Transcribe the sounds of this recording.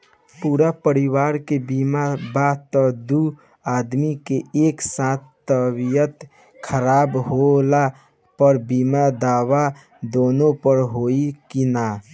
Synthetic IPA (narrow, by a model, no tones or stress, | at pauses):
puːɾapəɾiwaːɾkebiːmabat̪ɔd̪u | aːd̪mikeeːksat̪ʰt̪əbijət̪ | kʰəɾaːbɦola | pəɾbiːmad̪aːwa | d̪oːnõpəɾɦoikina